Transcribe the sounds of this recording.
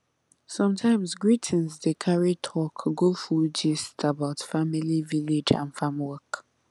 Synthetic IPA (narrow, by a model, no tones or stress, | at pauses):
sɔ̃mtʰãɪ̃msɡɹitʰə̃nsdekʰaɹitʰɔkʰɡofud͡ʒistʰabaʊtfamiliviled͡ʒã̰nfãmwɔk